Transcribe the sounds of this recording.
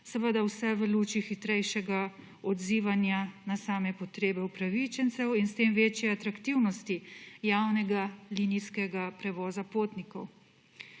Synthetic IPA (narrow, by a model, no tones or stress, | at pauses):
sɛʋəd̪awsɛʋəluːt͡ʃixit̪ɾɛjʃɛɡa | ɔd̪ziːʋanjanasaːmɛpɔt̪ɾeːbɛupɾaʋit͡ʃɛnt̪sɛwinst̪eːmʋeːt͡ʃjɛat̪ɾakt̪iwnɔst̪ijawnɛɡaliːniskɛɡapɾɛʋɔːzapoːt̪nikɔw